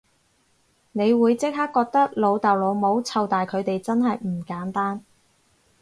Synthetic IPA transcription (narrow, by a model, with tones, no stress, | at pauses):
ne˨˧jwuː˨˧jt͡sɪ˥k̚ɦaː˥kːɔː˧k̚t̪ɐ˥k̚lo˨˧wt̪ɐ˨wlo˨˧wmo˨˧wt͡sʰɐ˨˧wt̪aː˨jkʰɵ˨˧ɥt̪e˨jt͡sɐ˥nɦɐ˨jm̩˨˩kaː˨˥nt̪aː˥n